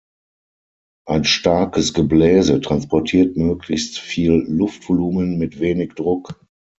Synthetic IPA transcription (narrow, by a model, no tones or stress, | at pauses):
ʔaɪnʃtaɐkəsɡ̥əblɛːzətʁ̥anspɔɐtʰiːɐtmøːkʰlɪçstfiːllʊftv̥oluːmənmɪtv̥eːnɪkd̥ʁʊk